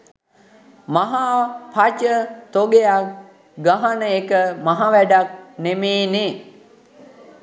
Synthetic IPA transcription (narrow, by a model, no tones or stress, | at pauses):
maɦapʰat͡ʃət̪oɡeak | ɡaɦanəekəmaɦaʋæɖak̚nemeːne